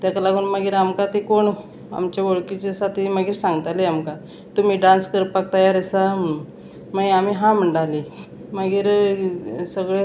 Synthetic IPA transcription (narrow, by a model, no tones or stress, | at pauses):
t̪jakalaɡuːnməɡiːɾamkat̪ikoɳ | a̰mt͡ɕjaʋoɭkit͡ɕesat̪iməɡiːɾsãŋɡət̪aleamka | t̪um̤iːɖãnskəɾpak̚t̪əjaɾəsa | məam̤iːɦãm̤əɳɖali | məɡiːɾ | səɡɭe